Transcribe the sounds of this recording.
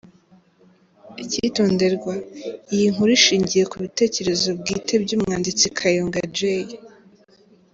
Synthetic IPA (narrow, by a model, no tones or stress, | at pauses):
icitoːnde̞ɾɡwaijiŋuɾiʃiːɲɟije̞kuβite̞ːce̞ɾe̞zo̞bɡiːtʰe̞bɟuːmŋŋaːndit͡sikʰajoŋɡad͡ʒej